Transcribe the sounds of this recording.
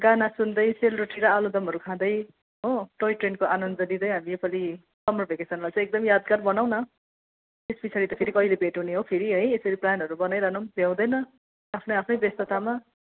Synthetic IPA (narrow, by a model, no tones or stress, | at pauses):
ɡanasund̪ʌjselroʈiɾʌalod̪ʌmɦʌɾukʰãd̪ʌj | ɦoʈojʈrenkoʔanʌnd̪ʌd̪id̪ʌjɦamiepʰali | sʌmrʌpʰekesʌnlajt͡sʌ̃ek̚d̪ʌmjad̪̚ɡʌrbʌnaw̃nʌ | tesbisʰaɾit̪ʌpʰeɾikʌilebeʈuneɦopʰeɾiɦʌjesʌɾiplanɦʌɾubʌnajɾʌɦnumbʱjaw̃d̪ʌjnʌ | apʰnʌjapʰnʌjbest̪ʌt̪ama